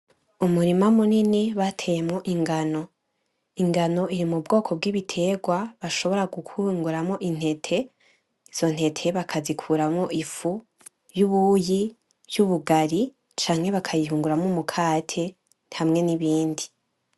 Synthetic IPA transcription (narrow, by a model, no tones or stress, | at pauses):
umuɾimamuniniβatʰe̞jemoʔiŋɡano̞ | iŋɡano̞ʔiɾimubɡo̞ːkʰo̞b̚ɡiβitʰe̞ːɡwaβaʃo̞βo̞ɾaɡukʰuːŋɡuɾamŋo̞ʔin̥he̞tʰe̞ | iz̥o̞n̥he̞tʰe̞βakʰazikʰuːɾamŋo̞ʔifu | juβuji̥ | juβuɡaɾi | t͡ʃaːŋ̥he̞βakʰajiɦuːŋɡuɾamomukʰaːtʰe̞ | nhamŋe̞niβiːndi